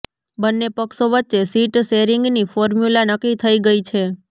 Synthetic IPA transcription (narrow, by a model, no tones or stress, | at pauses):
bənːepəksoʋətːt͡ʃesiʈseɾiŋɡnifɔɾmjulanəkːit̪ʰəiɡəit͡ʃʰe